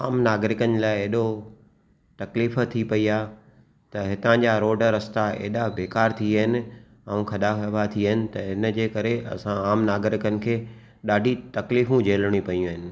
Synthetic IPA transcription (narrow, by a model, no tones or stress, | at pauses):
aːmnaːɡɾɪkənlaːɪeɦɗo | t̪ɐkliːft̪ʰipɐiaːɦ | t̪ɐɦɪt̪ãd͡ʑaɾoːɖɾɐst̪aḛːɦɗabeːkaːɾt̪ʰiaːɦɪnɪ̆ | ɛ̃ũkʰɐɗabat̪ʰiəɦɪnɪ̆t̪ɐɦɪnə̆d͡ʑeːkɐɾeɐ̰sãaːmnaːɡɾɪkənɪ̆kʰeː | ɗaːɖʱit̪ɐkliːfũd͡ʑeːlɽ̃ipɐjũəɦɪnɪ̆